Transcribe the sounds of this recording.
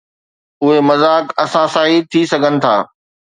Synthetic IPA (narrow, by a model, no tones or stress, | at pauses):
ʊɦemɐzaːkɐsãsaːɦit̪ʰisɐɡʱənɪ̆t̪ʰa̰ː